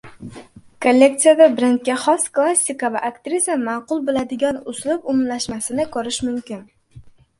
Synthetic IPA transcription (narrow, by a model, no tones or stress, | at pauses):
kʰolʲːe̞k̚t̪sijad̪abɾent̪̚kʲaχɒsklˠasʲːɪkavaʔakt̪ɾizamɑqʊlˠbɪlad̪ɪɡʲanʊzlɪpʊmlaʃmasɪnɪkʰɵɾɪʃmʊmkʲɪn